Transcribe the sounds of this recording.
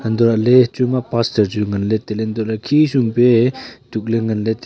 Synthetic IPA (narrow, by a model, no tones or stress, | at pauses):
ənd̪ɔɾaʔlet͡ʃumapastəɾd͡ʒuŋɐnlet̪elend̪ɔaʔlakʰisuŋpetuk̚leŋənlet̪